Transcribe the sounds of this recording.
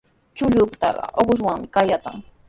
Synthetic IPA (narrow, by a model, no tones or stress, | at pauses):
t͡ʃʊʎʊkt̪ɑ̰ɢɑ̰ʔoɢʊʃwaŋmɪkajat̪a̰ŋ